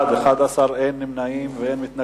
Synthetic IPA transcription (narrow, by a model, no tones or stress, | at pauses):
d̪eχad̪asaʁenːimnaimveenmit̪na